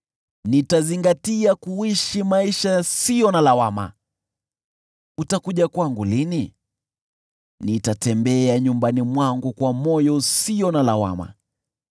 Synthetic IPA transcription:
nitaziŋɡatiakuwiʃimaiʃasijɔnalawama̰ | utakuʄakwaŋɡulini | nitatɛmbɛaɲumbanimwaŋɡukwamɔjɔsijɔnalawa̰ma̰

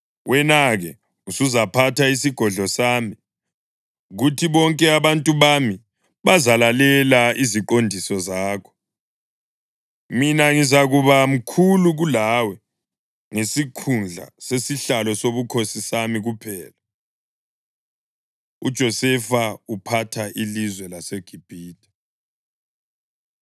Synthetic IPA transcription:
wʔɛnaɣɛ | usuzapʰataisiɡ̥ʱɔɮɔsaːmi | ɣutʰiβɔŋkʼɛaβantʼuβami | βazalalɛlaiziǃondʱisɔzaːkʰɔ̥ | minaŋizaɣuβam̩kʰuluɣulawɛ | ŋesikʰund͡ɮʱa̰sesiɬalɔsoβukʰosisamiɣupʰɛːla | ṵd̥ʒ̥ʱɔsɛfaupʰatʰaʔilizwɛlaseɡ̥ʱib̥ʱiːdʰʱʼḁ

